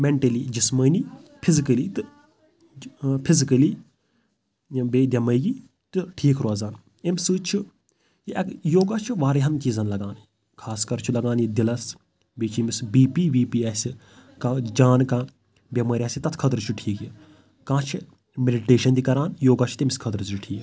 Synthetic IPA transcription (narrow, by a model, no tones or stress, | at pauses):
meɳʈɐlid͡ʒisməːnipʰizikɐlit̪ɨ | pʰizikəli | beːd̪ʲɐməːɡi | t̪ɨʈʰiːkʰɾoːzaːn | emsɨːt͡ʃʰu | jiʔɐkjoːɡaːt͡ʃʰuʋaːɾeɦɐnt͡ʃiːzɐnlɐɡãːni | kʰaːskɐɾt͡ʃʰulɐɡaːnjid̪ilɐs | beːt͡ʃʰimisbiːpiːʋiːpiːasʲi | kãd͡ʒaːnkãː | bjɐmaːɾʲiaːsʲit̪ɐt̪ʰkʰɐt̪ɾt͡ʃʰuʈʰiːkji | kãːt͡ʃʰi | meɖiʈeːʃɐnd̪ikɐɾaːnjoːɡaːt͡ʃʰu̥t̪imskʰɐd̪ɾzɨʈʰiːk